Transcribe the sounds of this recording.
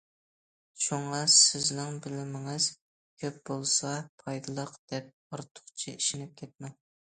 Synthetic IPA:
ʃuɴɑsɪznɪŋbɪlɪmɪŋɨz̥ | kʲʰøp̚bolˠsɑpʰɑjd̪ɨlˠəqd̪̥ɛp̚ | oɾt̪ʰʊ̥χt͡ʃʰii̥ʃinɪp̚kʲʰɛt̪̚mɛn

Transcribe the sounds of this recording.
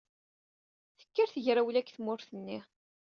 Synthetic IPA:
θə̥kːaɾθəʝɾæwlækːθmʊɾθənːi

